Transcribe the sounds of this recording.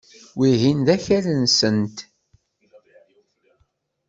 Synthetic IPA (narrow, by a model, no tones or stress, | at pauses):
wiɦind̪æçælənsənt̪